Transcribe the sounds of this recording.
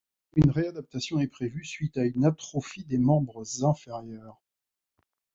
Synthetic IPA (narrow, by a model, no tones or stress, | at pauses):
ynʁead̪ap̚t̪asjɔ̃ɛpχevysɥit̪aynat̪χɔfid̪emɑ̃bʁəzɛ̃feʁjœːʁ